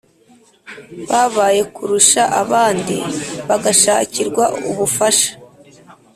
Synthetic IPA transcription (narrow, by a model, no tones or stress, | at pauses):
βaβaːje̞kuɾuʃaʔaβaːndḭβaɡaʃaːciɾɡwaʔṵβufaʃḁ